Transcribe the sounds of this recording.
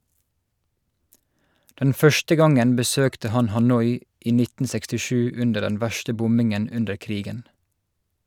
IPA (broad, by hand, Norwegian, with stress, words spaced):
ˈdɛn ˈfœʃtə ˈɡɑŋən bəˈsøːktə ˈhɑn hɑˈnɔʏ ˈʔiː ˈnɪtn̩ sɛkstɪˈʃʉː ˈʉndə ˈɖɛn ˈʋæʃtə ˈbʊmbɪŋən ˈʉndəɹ ˈkɾiːɡən